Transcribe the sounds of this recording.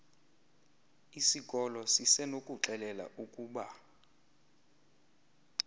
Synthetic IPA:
isikʼɔlɔsisɛnokʼuǁɛlɛla̰ʔukʼuːɓa

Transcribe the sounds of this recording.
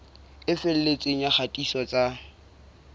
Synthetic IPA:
ɪfel̩let͡sʼeŋ̩jaχatʼisɔt͡sʼa

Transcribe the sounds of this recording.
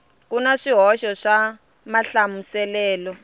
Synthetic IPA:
k̬unaʂiɦɔʃɔʂa | maɬamusɛlɛːlɔ

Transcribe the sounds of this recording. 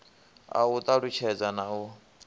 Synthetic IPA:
a̰ut̪ʼaɺut͡ʃʰɛd͡zanau

